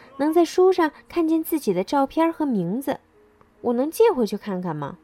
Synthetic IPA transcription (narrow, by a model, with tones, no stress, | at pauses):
nɤ˧˥ŋt͡sa˥˧ɪʂu˥ʂɑ˥˧ŋkʰa˥˧nt͡ɕjɛ˥˧nt͡sɹ̩˥˩t͡ɕi˨˩d̪ə˦ʈ͡ʂɑ˥˧ʊpʰjɑ˥xɤ˧˥mi˧˥ŋd͡zɹ̩˧ | wʔɔ˨˩nɤ˧˥ŋt͡ɕjɛ˥˩xwə˧˩ɪt͡ɕʰy˥˧kʰa˥˩nkʰa˥˩nmɐ̰˩